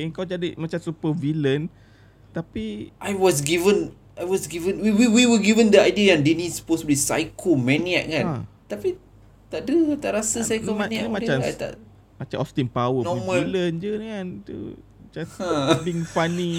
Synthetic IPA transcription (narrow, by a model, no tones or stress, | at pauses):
əŋkawd͡ʒadimat͡ʃamsupəvilən | t̪apiʔajwɔs̬ɡivə̃n | ajwɔsɡivə̃nwiwiwiwəɡivə̃ndəajdiəjãndinĩsə̥postublisa̰jkʰomɛ̃niaʔ̚kãnat̪api | t̪aʔdət̪aʔɾasəsajkoanianimãt͡ʃama̰t̪a̰ʔ | mat͡ʃamʔɔst̪inpawənɔmɛ̃məlilənd͡ʒənŋant̪ṵ | d͡ʒasbiŋfanĩ